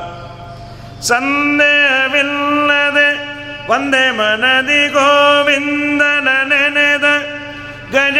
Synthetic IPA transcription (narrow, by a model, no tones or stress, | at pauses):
sɐnd̪eːɦɐʋilːɐd̪e | ʋɐnd̪eːmɐnɐd̪iɡoʋind̪ɐnɐnened̪ɐ | ɡɐd͡ʒ